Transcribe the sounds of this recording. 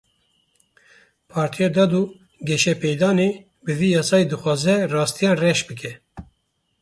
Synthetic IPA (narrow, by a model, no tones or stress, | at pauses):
pʰɑːɾt̪ʰijɑd̪ɑːd̪u | ɡɛʃɛpɛjd̪ɑːne | bɨviːjɑːsɑːjid̪ɨxʷwɑːzɛrɑːst̪ʰijɑːrɛʃbɨkʰɛ